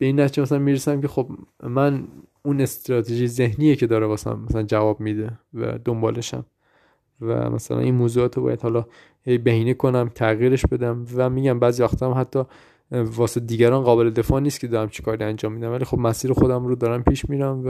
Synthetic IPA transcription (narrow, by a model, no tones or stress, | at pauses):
b̥e̞iːnːæt̪ʰid͡ʒemæsælænmiːɾesæmkʰe̞xobmænune̞st̪ɾɒːt̪ʰeʒijze̞ɦniːjecʰe̞d̪ɒːɾevɒːsæ̰nmæsælænd͡ʒævɒːbmiːd̪evæ̰d̪o̞mbɒ̰ːle̞ʃæ̰m | væ̰mæ̰sælæ̰ninmoːzuɒːt̪ʰobɒ̰ːjæd̪hɒːlɒ | he̞jbehiːnekʰo̞næmt̪ʰæɣjiːɾeʃbe̞d̪æmvæmiːɟæmbæːzivæxt̪ʰɒːmhæt̪ʰːɒː | vɒːsed̪iːɟæɾɒːnɢɒːbeled̪e̞fɒːnist̪̚cʰe̞d̪ɒːɾæmt͡ʃʰe̥kʰɒːɾiænd͡ʒɒːmːiːd̪ænvælixo̞bmæsiːɾexod̪æmɾod̪ɒːɾæmpʰiːʃmiːɾæmvæ